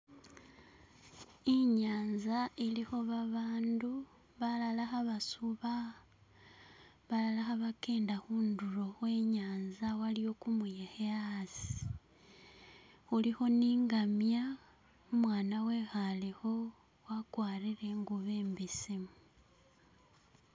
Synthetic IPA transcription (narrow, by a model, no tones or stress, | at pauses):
iɲaːnzailixo̞βaβaːndu | βalalaxaβasuβa | βalalaxaβakeːndaxuːnduɾo̞xwe̞ːɲaːnzawalijo̞kumujexeasi̥ | xulixo̞niːŋɡamja | umwaːnawe̞ːxalexo̞ | wakwaːɾiɾe̞ŋɡuβeːmbesemu